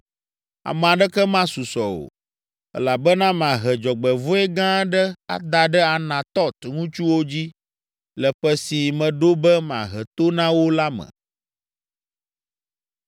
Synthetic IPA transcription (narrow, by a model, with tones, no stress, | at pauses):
a̰˨mɛ̃˨a˨ɖɛ˦kɛ˦mã˦su˨sɔ˨o̰˨ | ɛ̰˦la˨bɛ˦nã˦m˨ã˨ɦɛ˨d͡ʒɔ˨ɡ͡bɛ˨vo˦ɛ˦ɡã˦ɖə˦a̰˨d̪a˨ɖɛ˦a˨nã˨t̪ɔ˦t̪ŋũ˦t͡ʃu˦wo˦d͡ʑi˦ | lɛ˨ɸɛ˦si˨mɛ̃˨ɖo˦bɛ˦m˨ã̰˨ɦɛ˨t̪o˦nã˦wo˦la˦mɛ̰̃˨